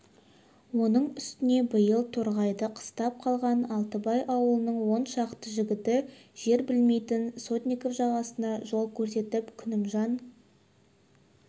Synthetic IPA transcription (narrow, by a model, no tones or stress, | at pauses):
wo̞nəɴʏst̪ɪne̞bəjəlˠt̪ʰoɾʁɑjd̪əqʰə̥st̪ɑp̚qʰɑlˠʁɑnɑlˠt̪əbɑjʔɑwəlˠənəɴwo̞nʃɑqt̪əʒɪɡʲɪt̪ɪʒ̥e̞ɾbɪlme̞jt̪ɪnso̞t̪nʲijko̞fʒɑʁɑsənɑʒo̞lˠkʲʰɵɾse̞t̪ɪpkʲʰʏnɪmʒɑn